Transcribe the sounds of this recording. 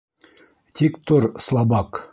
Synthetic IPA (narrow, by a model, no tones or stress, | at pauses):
t̪ʲikt̪oɾslˠɑbɑk